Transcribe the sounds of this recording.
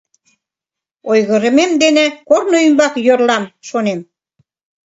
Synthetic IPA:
ojɣə̆ɾə̆memd̪enekornoymbɑkjørlɑmʃonem

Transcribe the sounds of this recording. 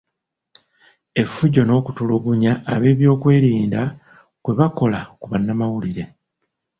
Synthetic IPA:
e̞fuɟo̞no̞ːkutuloɡuɲaːβe̞ːβjo̞ːkwe̞ːɾiːnda | kwe̞βako̞lakuβanːamawuliɾe̞

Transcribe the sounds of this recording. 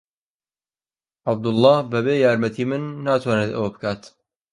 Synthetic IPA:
ʔab̚d̪ʊlˠˤːɑːbɐbeːjaːɾmɐt̪ʰiːmɨnːaːt̪waːneːt̪ɐ̰wɐbɨkʰaːt̪

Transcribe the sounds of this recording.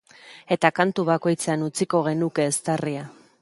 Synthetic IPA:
e̞t̪akant̪uβ̞ako̞jt͡seanut͡siko̞ɣ̞e̞nuke̞ːst̪aria

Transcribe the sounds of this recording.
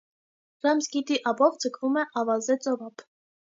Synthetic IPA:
ɾɑmsɡit̪iʔɑbɔvd͡zəkʰvumɛʔɑvɑzɛt͡sʼɔvɑpʰ

